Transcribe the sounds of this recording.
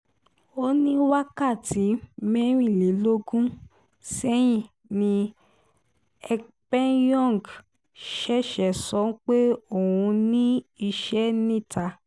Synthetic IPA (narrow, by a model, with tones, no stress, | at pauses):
o˦nĩ˦wa˦ka˦˨ti˨˦mɛ˦ɾ̃ĩ˦˨le˨˦lo˦ɡũ˦ | sɛ˦j̃ĩ˦˨ | nĩ˧ | ɛ˧k | pɛ˦njɔ̃˦˨ɡ | ʃɛ˦˨ʃɛ˨sɔ̃˨˦k͡pe˦o˦˨wũ˧nĩ˦i˧ʃɛ˦nĩ˦˨ta˧˦